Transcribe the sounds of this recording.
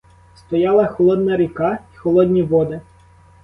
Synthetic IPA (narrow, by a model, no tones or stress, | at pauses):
st̪ɔjɑlˠɐxɔlˠɔd̪nɐɾʲikɑi̥xɔlˠɔd̪ʲnʲiʋɔd̪ɪ